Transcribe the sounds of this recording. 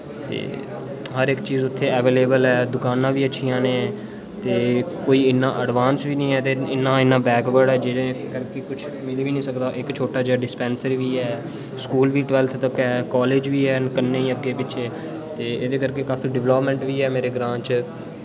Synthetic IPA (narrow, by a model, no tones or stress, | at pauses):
t̪ḛː | ɦəɾɪkt͡ʃiːzʊt̪ʰːeːɛʋeːleːbəlɛːd̪ʊkaːnãːʋiːətːʃʰijãːnẽː | t̪eːkoːiːɪnːã̰ːʔəɖʋaːnsʋiːnĩːɛːt̪eːɪnːãːɪnːãːbɛːɡʋəɖɛːd͡ʒeːdekəɾkeːkʊt͡ʃʰ | mɪliːʋiːnĩːsəkd̪aːʔɪkt͡ʃʰoːʈaːd͡ʒaːɖɪspɛ̃ːnsəɾʋiːɛː | skuːlʋiːʈʋɛːlt̪ʰt̪əkɛːkaːleːd͡ʒʋiːɛːnkənːẽːiəɡːeːpɪt͡ʃʰeː | t̪eːɪd̪eːkəɾkeːkaːfiːɖɪʋləːpmɛ̃ɳʈʋiːɛːmeːɾeːɡɾãːt͡ʃ